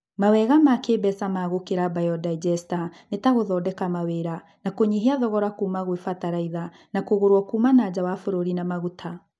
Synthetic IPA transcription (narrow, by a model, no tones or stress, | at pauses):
mawɛɣamakebɛsamaɣokeɾabajɔdaid͡ʒɛstanetaɣoðɔːdɛkamaweɾa | nakoɲiɦiaðɔɣɔɾakuːmaɣwefataɾaiða | nakoɣoɾwɔkumanad͡ʑawafoɾoɾinamaɣutʰa